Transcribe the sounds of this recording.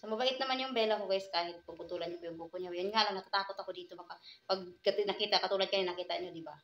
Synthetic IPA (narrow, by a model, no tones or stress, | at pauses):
somɐbaʔɪt̪nɐmanjʊŋbɛːlakoɡajskaːhɪt̪̚pʊpʊt̪uːlanɲʊpojʊŋbukoɲajʊnŋaʔlaŋnɐt̪at̪aːkot̪ɐkod̪iːt̪obɐkapɐɡ̪̚nɐkiːt̪akɐt̪uːlɐd̪̚kɐɲonɐkiːt̪ɐɲod̪ɪba